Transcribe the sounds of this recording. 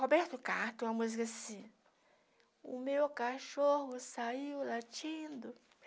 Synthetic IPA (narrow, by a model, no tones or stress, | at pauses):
hobɛɾt̪ʊkat̪ẽɐmuzikasĩ | ʊmewkaʃoɦʊsaiwlat͡ʃĩd̪ʊ